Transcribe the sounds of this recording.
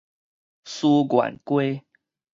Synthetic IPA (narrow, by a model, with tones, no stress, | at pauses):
su˦ɡwa̰˨˩nkwe˦